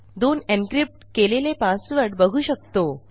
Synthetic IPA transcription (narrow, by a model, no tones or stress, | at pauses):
d̪onenkɾip̚ʈkelelepasʋəɾɖbəɡʱuːɕək̚t̪o